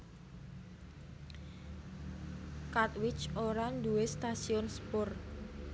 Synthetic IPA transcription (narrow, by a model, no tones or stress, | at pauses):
kat̪̚wɪt͡ʃoɾand̪uest̪asiɔnspʊr